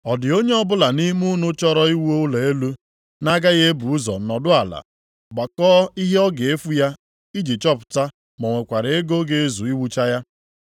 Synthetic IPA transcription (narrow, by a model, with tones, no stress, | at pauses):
ɔ˨dɪ˨o˦ɲe˦ɔ˦bʊ˦la˨ni˦mu˦nʊ˦t͡ʃɔ˦ɾɔ˦i˦wo˦le˨e˦lu˦ | na˦ɡa˦ɣe˦bu˨u˦zɔ̰˨˦nɔ˨dʊ˦a˨la̰˨ | ɡ͡ba˨kɔː˦i˦ɦe˦ɔ˦ɡe˨e˦fu˦ja˦ | i˦d͡ʒi˨t͡ʃɔ˦pʊ̥˨ta˦ | mɔ˨ŋʷe˨kʷa˨ɾe˨e˦ɡo˦ɡe˨e˦zu˨i˦wu˦t͡ʃa˦ja˦